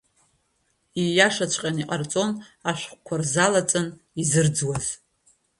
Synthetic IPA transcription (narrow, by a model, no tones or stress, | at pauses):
ijaʂat͡ʃʷʰʼqʲʼaniqʼart͡sʼo̞naʃʷᶣχʷkʷʰarzalat͡sʼɨn | izɨrd͡zwaz